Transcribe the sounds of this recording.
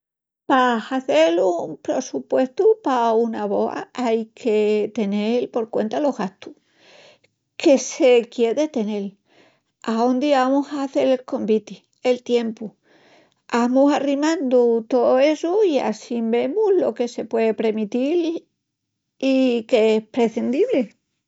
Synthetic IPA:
pahaθe̞lumpɾe̞supwe̞st̪upaunaβo̞̰a̰ajkʰe̞t̪e̞nelpo̞ɾkwe̞̰nt̪alo̞ɣast̪u | kʰe̞se̞kje̞ðe̞t̪e̞ne̞l | aond̪iβamusaːθe̞lelko̞mbit̪i | elt̪je̞mpu | amusarimãnd̪ut̪o̞oe̞suia̰simbe̞muhlo̞ke̞se̞pwe̞ðepɾe̞mit̪il | ikeehpɾe̞θend̪iβle̞

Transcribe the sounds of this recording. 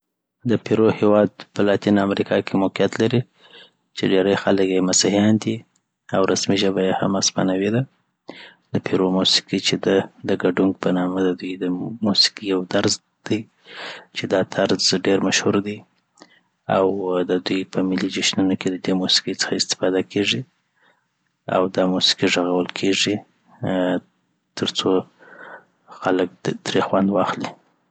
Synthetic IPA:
d̪əpiɾohewɑd̪pəlɑt̪inamɾikʰɑkʰemʊqijat̪laɾi | t͡ʃeɖeɾəjxaləkjemasahijɑnd̪i | awɾasmiʒəbajeha̰maspanawed̪a | d̪əpʰiɾomusi̥kit͡ʃed̪əd̪əɡaɖuŋɡ̚pənɑməd̪əd̪ujd̪əmusi̥kijawd̪aɾz | d̪̥aj | t͡ʃed̪ɑt̪ʰaɾzɖeɾmaʃhuɾd̪i | awd̪əd̪ujpəmɪlid͡ʒɪʃnunoked̪əd̪emusi̥kijt͡sə̥xaɪst̪ɪ̥fɑd̪akʰeʐi | a̰wd̪ɑmusi̥kiʐəɣawəlkʰeʐi | t̪ʰəɾt͡so | xalək̚t̪ɾexwand̪wɑxli

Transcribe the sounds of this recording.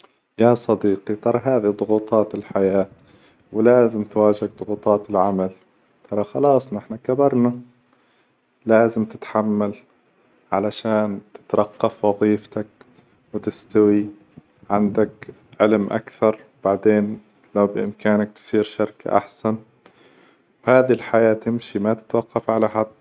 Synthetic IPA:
jasˤɑd̪iːqit̪ɑɾˤɑɦaːðid̪ˤʊɣuːt̪ˤɑːt̪ɪlħajaː | wɪlaːzɪmt̪waːʒɪɡ̚d̪ˤʊɣuːt̪ˤɑːt̪ɪlʕamal | t̪ʰɑɾˤɑxɑlɑːsˤnɪħnakabɑɾˤna | laːzɪmt̪ɪt̪ħamːal | ʕalaʃaːnt̪ɪ̥t̪ɾˤɑqːɑfwɑðˤiːft̪ak̚ | wɪt̪ɪst̪awi | ʕand̪ak | ʕɪlmʔa̰kθɑɾˤ | b̥aʕd̪eːn | lawbɪʔɪmkaːnak̚t̪sˤiːɾʃɪɾka̰ʔa̰ħsan | whaːðilħajaːt̪ɪmʃimat̪ɪ̥t̪wɑqːɑfʕalaħad̪

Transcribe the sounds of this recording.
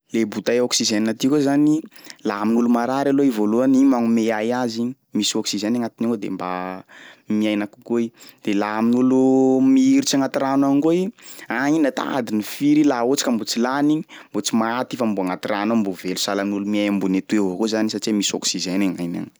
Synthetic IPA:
lebut̪ajoksizeniat̪ikozanilaaminulumaɾaɾaloivoluanimaŋumeajaziɲi | misiɔksizenaŋat̪ineod̪ḛmba̰ | miajnaku̥koid̪̥elaaminulumiiɾit͡ʃaŋat̪iɾanaŋɡoiainat̪a̰a̰d̪inifiɾilaot͡si̥kambut͡silaniɲi̥mbot͡simaat̪ifambuaŋat̪iranambuvelu̥salainulumiajambunet̪ueakozanisaʈ͡ʂimisɔ̰ksizenaŋajna̰ŋ

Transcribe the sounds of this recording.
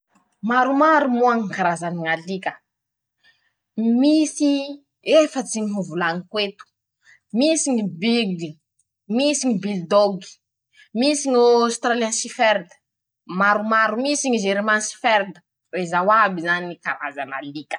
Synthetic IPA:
maɾumaɾumuaŋikaɾazaniŋalikə | misi | efət͡siŋiɦuvulaŋikwet̪u̥ | misiŋibid̪i | misiŋibild̪oɡi̥ | misiŋast̪ɾaliansifeɾd̪ə̥ | maɾumaɾumisiŋiʒeɾmansi̥feɾd̪ə̥ | ɾezawabizaniikaɾazana̰likə̥

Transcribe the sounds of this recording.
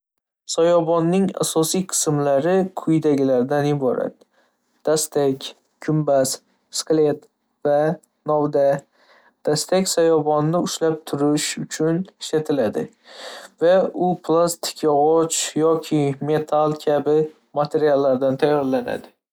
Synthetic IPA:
sajɒbɒnːɪŋa̰sɒsijqʰɨ̥smlaɾɪkʰʊjd̪aɡʲɪlaɾd̪anɪbɒɾa̰t̪ | d̪̥ast̪ʰakʲ | kʰʊmbas | skle̞t̪ | va | nɒwd̪a | d̪̥ast̪akʲsajɒbɒnːɪʊʃlap̚t̪ʰʊɾɪʃʊt͡ʃʰʊnɪʃlat̪ʰɪlad̪ɪ̰ | vaʊpʰlˠast̪ʰɪ̥kʰʲjɒʁɒt͡ʃjɒkʲʰɪme̞t̪ʰalkʲʰabɪ | mat̪ʰe̞ɾijalˠːaɾd̪ant̪ʰajːɒɾlana̰d̪ɪ

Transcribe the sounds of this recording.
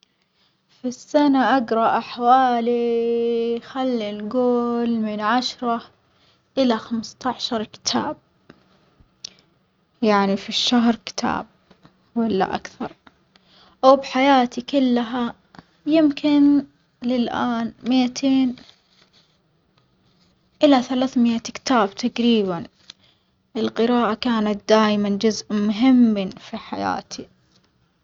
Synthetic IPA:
fisːanaʔaɡɾˤɑʔaħwaːli | xalːinɡoːlmɪnʕaʃɾˤɑ | ʔɪlaxamst̪ɑʕʃɑɾˤkɪ̥t̪ʰa̰ːb̚ | jaʕnifiʃːaɦɾkɪ̥t̪ʰa̰ːb̚ | walːa̰ʔa̰kθɑɾˤ | ʔawbħajaːt̪ikʊlːɦa | jɪmkɪn | lɪlʔaːnmɪʔat̪ʰeːn | ʔɪlaθalaːθmɪʔakt̪aːbt̪ʰaɡɾiːban | ʔɪlqɨɾaːʔakaːnat̪̚d̪aːjmand͡ʒʊzʔmʊɦɪmːnfiħaja̰ːt̪ʰi

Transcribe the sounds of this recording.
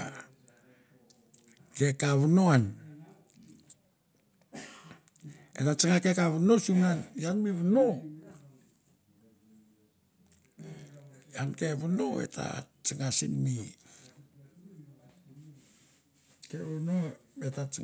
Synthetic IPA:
ke̞kaβunoan | ḛtat͡ʃiŋakekaβunosumanjanmiβuno | janke̞βunoḛtʰa̰t͡ʃiŋasinmi | keβunoetat͡ʃ

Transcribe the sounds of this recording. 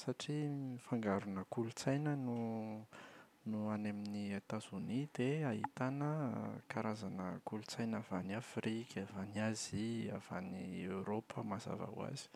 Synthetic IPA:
saʈ͡ʂiifaŋɡaɾunəkulut͡sajnənu | nuaneminiat̪az̥unid̪̥eaɦḭt̪anəkaɾazanəkulut͡sajnavaniafrikʲʰavaniazia̰v̥a̰niewɾopʰəmaza̰va̰w̰a̰zi̥

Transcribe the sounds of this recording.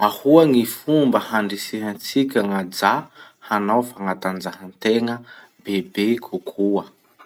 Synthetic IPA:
ahuaŋifumbəhaɳɖ͡ʐisiɦant͡sikʲaŋad͡za | hanawfaŋat̪and͡zaɦant̪eŋə | bebekʰukʰuə

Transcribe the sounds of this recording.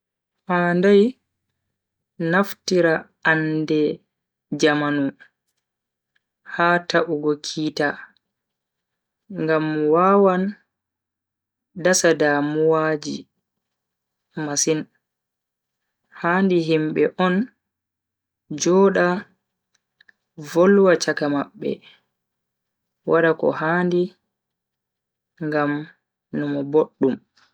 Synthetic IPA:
haːndaj | naftiɾa | andɛ | d͡ʒamanu | haːtaʔuɡɔkʰiːta | ŋɡamwaːwan | dasadamuwaːd͡ʒḭ | masin | haːndiɦimɓɛ̰ʔɔn | d͡ʒɔːɗa | volwat͡ʃakamaɓːɛ̰ | wʔaɗakɔ̰haːndi | ŋɡam | numɔboɗːum

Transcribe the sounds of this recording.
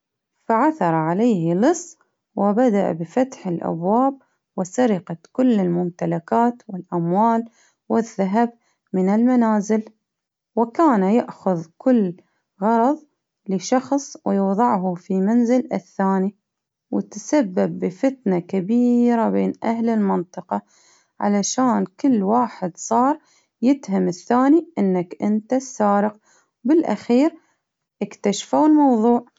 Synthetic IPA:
faʕaθɑɾˤɑʕaleːhlɨsˤː | wɪbad̪aʔa̰bɪfat̪ħɪlʔa̰bwaːb̚ | wɪsaɾɪqakʊlːɪlmʊmt̪alakaːt̪wɪlʔamwaːl | wɪðːaɦab | mɪnɪlmanaːzɪl | wɪkaːnajaʔxʊðkʊlː | ɣɑɾˤɑðˤ | lɪʃɑxsˤwɪjʊwðˤɑʕhʊfimanzɪlɪθːaːni | wɪ̰t̪sabːabːɪfɪt̪nakabiːɾabeːnʔa̰hlɪlmɪnt̪ˤɨqɑ | ʕa̰laʃaːnkɪlːwaːħɪd̪sˤɑːɾˤ | jɪd̪hamɪθːaːniʔɪnːakʔɪnt̪asːaːɾɪq̚ | wbɪlʔa̰xiːɾ | ʔɪkt̪aʃfawlmɑwðˤuːʕ

